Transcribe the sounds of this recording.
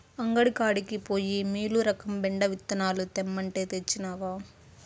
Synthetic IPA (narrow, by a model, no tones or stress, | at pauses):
ɐŋɡɐɽikaːɽikipo̞ːjimiːluɾɐkɐmbɛɳɖɐʋit̪ːɐnaːlut̪emːɐɳʈe̞ːt̪et͡ʃːinaːʋaː